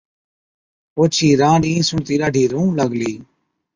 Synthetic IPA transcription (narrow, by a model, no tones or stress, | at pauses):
oːt͡ʃʰiːɾãːɽĩːsʊɳt̪iːɾaːɖʱiːɾũːləɡliː